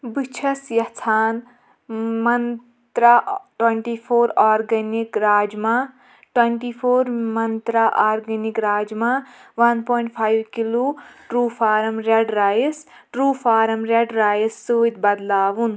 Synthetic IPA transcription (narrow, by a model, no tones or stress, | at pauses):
bit͡ʃʰɐsjɐt͡sʰaːn | mɐn | t̪ɾaʈweɳʈipʰoːɾaːɾɡɐnikɾaːd͡ʒma | ʈweɳʈipʰoːɾmɐnt̪ɾaʔaːɾɡɐnikɾaːd͡ʒmaʋɐnpɔːjɳʈ̚pʰaːjʋkiloːʈɾuːfʰaːɾɐmɾeɖɾaːjis | ʈɾuːfʰaːɾɐmɾeɖɾaːjɐsːuːit̪bɐd̪laːʋun